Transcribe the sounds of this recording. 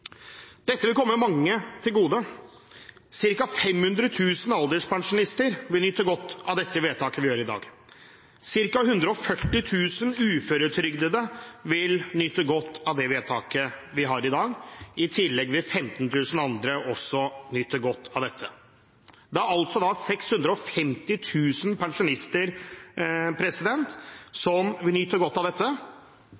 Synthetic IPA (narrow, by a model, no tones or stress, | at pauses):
d̪̥ɛt̪ːəʋɪlkʰɔmːəmɛmɑŋːət̪ʰɪlɡuːd̪ə | sɪɾkɑfɛmhʉnd̪ɾət̪ʰʉːsənɑld̪əʂpʰɑŋʂʊnɪst̪əɾʋɪlnʏt̪ːəɡɔt̪ːɑʋd̪ɛt̪ʰːəʋeːd̪t̪ɑːkəʋɪjøːɾɪd̪ɑ̰ːɡ | sɪɾkɑhʉnd̪ɾəɔfœʈːɪt̪ʰʉːsənʉːføːɾət̪ʰɾʏɡd̪əd̪əʋɪlnʏt̪ːəɡɔt̪ːɑʋd̪ɛʋeːd̪t̪ʰɑːkəʋɪɦɑɾɪd̪ɑːɡɪt̪ʰɪlːɛɡʋɪfɛmt̪ənt̪ʰʉːsənɑnd̪ɾəʔɔsːɔnʏt̪ːəɾɡɔt̪ʰːɑʋd̪ɛt̪ʰːə | d̪ɛæɾɑlt̪sɔd̪ɑsɛkshʉnd̪ɾəɔfɛmt̪ɪt̪ʰʉːsənpɛɳʂʊnɪst̪əɾ | pʰɾɛsɪd̪ɛnt̪sɔmʋɪlnyt̪ːəɾɡɔt̪ːɑʋd̪ɛt̪ʰːə